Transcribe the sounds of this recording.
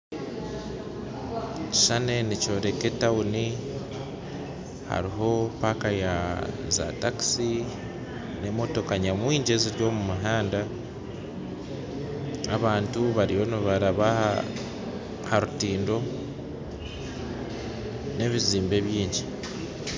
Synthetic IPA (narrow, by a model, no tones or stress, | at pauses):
ci̥ʃane̞nico̞ːɾe̞ke̞tawuni | ha̰ɾiɦo̞paːkajaza̰taki̥si | ne̞mo̞to̞kaɲamwiːɲɟe̞ziɾjo̞ːmumuɦaːnda | aβaːntuβaɾijo̞niβaɾaβa | haɾutiːndo̞ | ne̞βiziːmbe̞βjiːɲɟi